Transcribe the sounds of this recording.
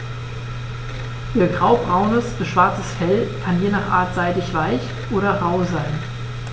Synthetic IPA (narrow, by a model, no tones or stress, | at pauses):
ʔiːɐɡʁaʊbʁaʊnəsb̥əʃv̥aɐt͡səsfɛlkʰanjeːnaːχʔa̰ːɐtz̥aɪdɪçv̥aɪç | ʔoːɾɐʁaʊzaɪn